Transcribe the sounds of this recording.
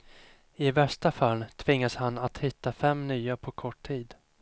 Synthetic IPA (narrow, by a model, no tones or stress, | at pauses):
ɪvɛʂʈafalːt̪ʰvɪŋːashanːat̪hɪt̪ːafɛmnyːapʰɔkʰɔʈʰiːd̪